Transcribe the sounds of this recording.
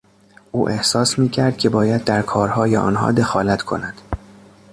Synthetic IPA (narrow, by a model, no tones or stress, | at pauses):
ʔuːʔe̞hsɒːsmiːcʰæɾd̪̥̚cʰʲe̞bɒːjæd̪̚ːæɾkʰɒːɾhɒːjeʔɒ̰ːnɦɒ̰ːd̪e̞xɒːlæt̪ʰkʰo̞̰næd̪̥